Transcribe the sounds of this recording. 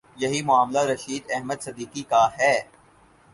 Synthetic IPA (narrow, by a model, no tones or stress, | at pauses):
jɐɦimʊaːmlaɾɐʃiːd̪ɛɦməd̪sɐd̪iːkikaɦɛː